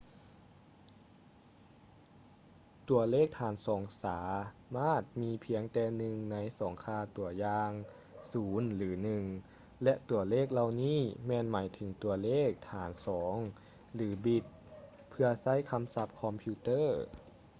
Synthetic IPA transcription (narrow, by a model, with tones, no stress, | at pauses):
t̪u˧ɐleː˥˩k̚t̪ʰaː˨˦nsɔː˩˦ŋsaː˩˦maː˥˩t̪̚miː˧pʰi˨˦əŋt̪ɛː˧nɯ˨˧ŋna˧˥jsɔː˩˦ŋkʰaː˧˩t̪u˨˩ɐjaː˧ŋ | suː˩˦nlɯː˩˦nɯ˨˩ŋ | lɛ˧ʔt̪u˨˧˩ɐleː˥˩k̚la˧wniː˥˩mɛː˧nmaː˩˦jt̪ʰɯ˩˦ŋt̪u˧ɐleː˥˩k̚t̪ʰaː˩˦nsɔː˩˦ŋ | lɯː˩˦bi˧˩t̪̚ | pʰɯ˧ɐsa˥˩˨jkʰa˧˥msa˧˦p̚kʰɔ˧mpʰi˧t̪ɤː˥˩